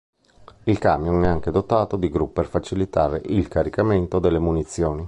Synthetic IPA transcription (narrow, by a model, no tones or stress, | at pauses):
ilkamjonɛaŋked̪ot̪aːt̪od̪iɡɾupːerfat͡ʃilit̪aːɾeʔilkaɾikament̪od̪elːemunit̪sːjoːni